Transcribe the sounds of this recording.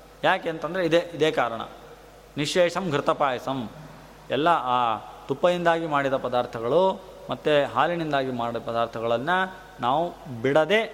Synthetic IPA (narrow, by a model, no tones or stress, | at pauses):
jaːkeːnt̪ɐnd̪ɐɾeid̪eːʔid̪eːkaːɾɐɳɐ̰ | niʂɛːʂɐmɡʱɾut̪ɐpaːjɐsɐm | ɛlːɐaːt̪upːɐjind̪aːɡimaːɽid̪ɐpɐd̪aːɾt̪ʰɐɡɐɭu | mɐt̪ːeɦaːlinind̪aːɡimaːɽɐpɐd̪aːɾt̪ʰɐɡɐɭɐnːɐ | naːʋubiɽɐd̪e